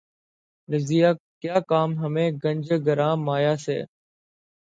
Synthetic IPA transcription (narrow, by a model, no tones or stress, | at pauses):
ɾɪzijaːkjaːkaːmɦəmẽːɡəɲʲd͡ʒɡəɾãːmaːjaːsḛː